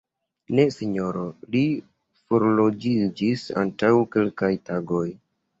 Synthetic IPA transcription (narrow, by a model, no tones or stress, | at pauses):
ne̞siɲo̞ɾoli | foɾlod͡ʒid͡ʒisa̰ntawke̞lkajtaɡo̞j